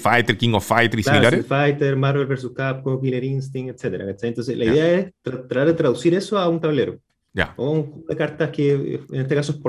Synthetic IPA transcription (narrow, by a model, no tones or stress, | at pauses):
fajt̪eɾkiŋofajt̪eisilaiɾlaɾfajt̪eɾmaɾβelβels̬uskap̚komokileɾinst̪iŋet̪set̪eɾa̰kat͡ʃajent̪o̞nseslʔaiðeaest̪ɾat̪ːɾat̪aɾðet̪ɾaðusiɾesoaunt̪aβleɾo | ja̰oauŋxupoðekaɾt̪ahkeḛḛnet̪ekas̬oehpo